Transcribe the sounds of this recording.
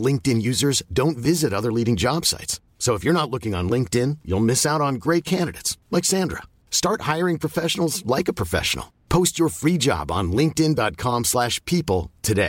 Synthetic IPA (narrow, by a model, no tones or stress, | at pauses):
lɪ̃ŋk̚tɨ̃njʉzə˞zdõʊ̃ntvɪzɨɾʌðə˞liɾɪ̃ŋd͡ʒɑb̥sa̰ɪtsːoʊəfjə˞ñətˡlʊkɪ̃ŋə̃nlɪ̃ŋk̚tɪ̃njṵlˠmɪsaʊɾn̩ɡɹeɪt̚kʰæ̃ndɨɾeɪtslɛɪkɡsæ̃ndɹə̰ | stɑɹt̚haɪə˞ɪ̃ŋpʰɹ̥əfɛʃn̩l̩ˠzlaɪkəpʰɹ̥əfɛ̰ʃn̩̰l̩ˠpʰoʊst͡ʃə˞fɹid͡ʒɑ̰b̃n̩lɪ̃ŋk̚tɪ̃ndɑt̚kʰɑ̃mslæʃpʰipl̩ˠtʰɨdeɪ